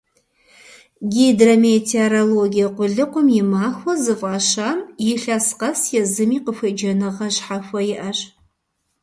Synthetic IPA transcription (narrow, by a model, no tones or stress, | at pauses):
ɡʲedrɐmetʰeroloɡʲijɐqʷʊɮɨqʷʊmjɪmaːxʷɔzɨfʷʼɑːʃaːmjɪɬasqɐsjɛzɨmiːqəfʷɐd͡ʒɐnɨʁɐɕħaxʷɔjɪʔɐɕ